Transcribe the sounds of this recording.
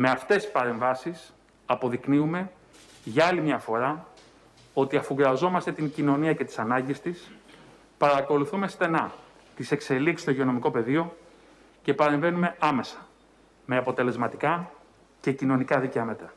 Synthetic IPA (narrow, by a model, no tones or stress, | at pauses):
me̞ɐft̪e̞spɐɾe̞ɱvɐsis | ɐpo̞ðikniume̞ | ʝɐɐlimɲɐfo̞ɾɐ | o̞t̪iɐfuɣɾɐzo̞mɐst̪e̞t̪iɲcino̞niɐce̞t̪i̥sɐnɐɲɟist̪is | pɐɾɐko̞luθume̞st̪e̞nɐ | t̪ise̞kse̞liksi̥st̪oʝio̞no̞miko̞pe̞ðio̞ | ce̞pɐɾe̞ɱve̞nume̞ɐme̞sɐ̥ | me̞ɐpo̞t̪e̞le̞zmɐt̪i̥kɐ | ce̞cino̞nikɐðiceɐme̞t̪ɾɐ